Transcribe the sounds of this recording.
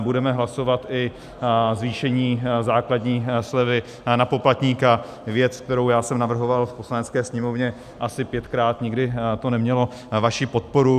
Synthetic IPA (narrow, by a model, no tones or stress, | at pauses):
budɛmɛɦlaso̞vat̪ɪ | zviːʃɛɲiːzaːkladɲiːslɛvɪ | napo̞plat̪ɲiːka | vjɛt͡sk̚t̪ɛɾowjaːsɛmnavr̩ɦo̞valfposlanɛt͡skɛːsɲɛmo̞vɲɛ | ʔasɪpjɛt̪kɾaːt̪ɲɪɡdɪt̪o̞nɛmɲɛlo̞ | vaʃipo̞t̪̚po̞ɾu